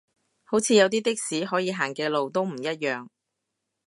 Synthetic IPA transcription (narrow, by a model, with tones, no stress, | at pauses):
ho˨˥wt͡sʰiː˧jɐ˨˧wt̪̬iː˥t̪ɪ˥k̚siː˨˥ɦɔː˨˥jiː˨˧ɦaː˨˩ŋkɛː˧lo˨wt̪o˥wm̩˨˩jɐ˥t̚jœː˨ŋ